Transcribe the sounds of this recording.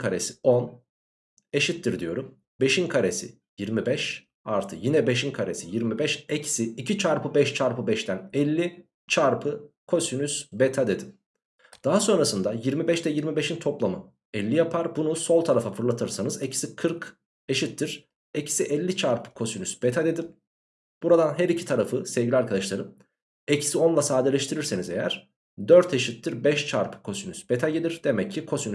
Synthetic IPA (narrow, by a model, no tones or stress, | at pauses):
kʰaɾesi̥on | e̞ʃit̪ʰːiɾd̪ijo̞̰ɾum | be̞ʃinkʰaɾesḭ | jiɾmibɛʃ | a̰ɾt̪ʰɯkjinɛbe̞ʃinkʰaɾesijiɾmibɛʃɛcʰi̥siːcit͡ʃʰaɾpʰɯbɛʃt͡ʃʰaɾpʰɯbɛʃt̪ʰænɛlʲːi | t͡ʃʰaɾpʰɯkʰo̞synysbet̪ʰad̪e̞d̪im | d̪̥aɦaso̞nɾasɯnd̪ajiɾmibɛʃd̪ɛjiɾmibeʃint̪ʰoplˠamɯ | ɛlʲːijapʰaɾbunuso̞lˠt̪ʰaɾafafɯɾlˠat̪ʰɯɾsanɯzecʰi̥sikʰɯɾk | eʃit̪ʰːiɾ̥ | ecʰi̥siʔɛlʲːit͡ʃʰaɾpɯ̥kʰo̞synysb̥et̪ʰad̪e̞d̪im | b̥uɾad̪anɦɛɾicʰit̪ʰaɾafɯsɛvɟilʲiaɾkʰad̪aʃlˠaɾɯm | ɛcʰi̥sio̞nlˠasaːd̪elʲɛʃt̪ʰiɾiɾsenizejæ̰ɾ̥ | d̪øɾt̪ʰeʃit̪ʰːiɾbɛʃt͡ʃʰaɾpʰɯ̥kʰo̞synysb̥et̪ʰaɟelʲiɾd̪e̞mɛcʰːikʰo̞syny